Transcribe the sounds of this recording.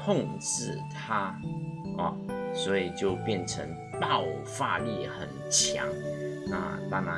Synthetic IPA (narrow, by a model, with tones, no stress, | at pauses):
ʊ˥˧ŋʈ͡ʂɻ̩˥˩t̪ʰa˥ | ɔ̰˨˩swɔ˧˥i˨˩t͡ɕjo˥˧ʊpjɛ˥˩nʈ͡ʂʰə˧˥ŋ | t̪ɑ˥˩ʊ | fa˥˧li˥˩xə˨˩nt͡ɕʰja̰˧˥˦ŋna̰˥˧t̪a˥ŋa˧˦